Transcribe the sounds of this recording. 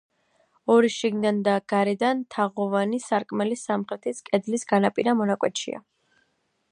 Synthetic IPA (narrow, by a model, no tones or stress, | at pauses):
ɔɾiʃiɡnid̪and̪aɡ̥aɾɛd̪ant̪ʰaʁɔvanisaɾkʼmɛlisamχɾɛt̪ʰiskʼɛd̪lisɡanapʼiɾamɔnakʼwɛt̪ʃḭa̰